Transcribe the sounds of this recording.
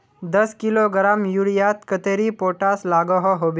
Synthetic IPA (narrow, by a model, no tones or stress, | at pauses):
d̪əskiloɡɾamjuɽjat̪kət̪eɾipoʈaslaɡɔɦɔɦobe